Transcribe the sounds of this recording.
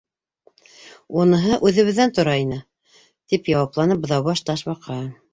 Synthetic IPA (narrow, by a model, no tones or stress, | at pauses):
unɤ̆ɦɤʔʉðɘ̆βɘ̆ðːænt̪ŏɾɑinɘ | t̪ipjɑwɑplˠɑnɤp̚bŏðɑwβɑʃt̪ɑʃbɑqʰɑɤ